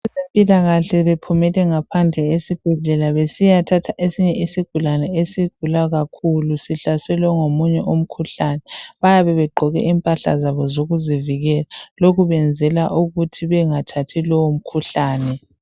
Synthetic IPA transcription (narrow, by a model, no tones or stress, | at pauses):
ɛsempʼilaɣaɬɛβepʰumɛlɛŋapʰand͡ɮʱɛesib̥ʱɛɮɛlaβesijatʰatʰaʔesiɲɛʔisiɡ̥ʱulanɛesiɡ̥ʱulaɣakʰulusiɬasɛlwɛŋomuɲɛʔom̩kʰuɬanɛβajaβɛβɛɡ͡ǃʱɔɣɛ̰ʔimpʼaɬa̰zaβɔzoɣuziviɣɛlaloɣuβɛnd͡zʱɛlaʔuɣutʰiβɛŋatʰatʰilɔwom̩kʰuɬaːnɛ